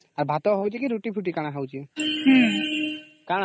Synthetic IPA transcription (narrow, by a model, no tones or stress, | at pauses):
aɾbʱat̪ɔɦɔwt͡ʃikiɾuʈipʰuʈikaɽ̃aɦawt͡ʃiɦ | kaɽ̃